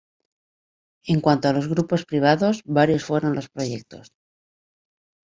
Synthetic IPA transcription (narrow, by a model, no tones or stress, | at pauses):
e̞ŋkwant̪oalo̞zɣɾupo̞spɾiβ̞aðo̞zβaɾjo̞sfwe̞ɾo̞nlo̞spɾo̞je̞k̚t̪o̞̰s